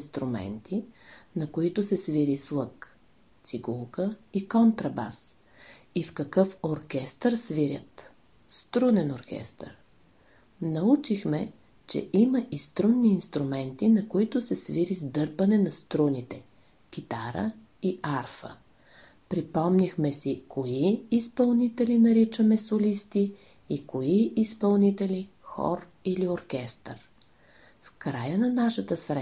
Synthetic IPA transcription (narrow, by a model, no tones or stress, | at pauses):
nst̪ɾʊmɛ̰nt̪ʰinɐkoit̪ʊsɛsviɾislˠɤk | t̪siɡulˠkəikɔnt̪ɾɐba̰s | ifkɐkɤfoɾkʲɛst̪əɾsviɾʲə̰t̪ | st̪ɾunɛnoɾkʲɛ̰st̪ə̰ɾ | nɐut͡ʃixmɛ | t͡ʃɛ̰ʔiməʔist̪ɾunːiːnst̪ɾʊmɛnt̪inɐkoit̪ʊsɛsviɾizd̪ɤɾpənɛnɐst̪ɾunit̪ɛ | k̟ʲit̪aɾə̰ | iʔaɾfə̰ | pɾipɔmnʲixmɛsikʰoiːspɐlˠnit̪ɛlinɐɾit͡ʃəmɛsolist̪iː | koiispɐlˠnit̪ɛli | xɔ̰ɾ | ilioɾkʲɛst̪ɾ | fkɾajənɐnaʃət̪əsɾɛ